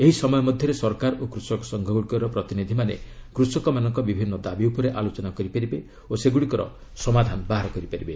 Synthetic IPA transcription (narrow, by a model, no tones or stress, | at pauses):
eɦisɔmɔjɔmɔd̪ʱjɔɾesɔɾkaɾokɾusɔkɔ̥sɔŋɡʱɔɡuɽikɔɾɔpɾɔt̪inid̪ʱimanḛkɾusɔkɔmanɔŋkɔbibʱinːɔd̪abiupɔɾeʔalot͡ʃɔnakɔɾipaɾibe | oseɡuɽikɔɾɔ̰ | sɔmad̪ʱanɔbaɦaɾɔkɔɾipaɾibe